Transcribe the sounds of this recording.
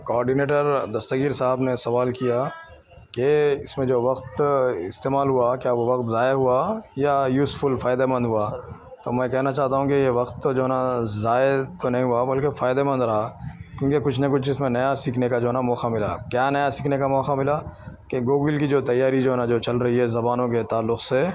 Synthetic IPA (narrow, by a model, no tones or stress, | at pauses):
kɔːɾɖineːʈəɾd̪ɐst̪əɡiːɾsaːɦəbnesɐʋaːlkija | keɪsmẽd͡ʒoːʋɐqt̪ɪst̪eːmaːlɦuakjaːoʋɐkt̪zaːeɦuajajuːzfʊlfaːɪd̪emɐ̃nd̪ʱɦua | t̪oːmɛ̃ːkɛɦnat͡ʃaːɦt̪aɦũkejeʋɐkt̪ːod͡ʒoːɦnazaːet̪onɐɦĩɦʊabɐlkefaːɪd̪emɐ̃nd̪ɾɐɦakjõːkekʊt͡ʃʰnɐkʊt͡ʃʰɪsmẽnɐjasiːkʰnekad͡ʒoːɦɛnamɔːxamɪla̰kjaːnɐjasiːkʰnekamɔːxamɪlakeɡoːɡɪlkid͡ʒoːt̪ɐjːaːɾid͡ʒoːɦɛnãd͡ʒoːt͡ʃɐlɾɐɦiɦɛzɐbaːnõket̪aːlːʊqse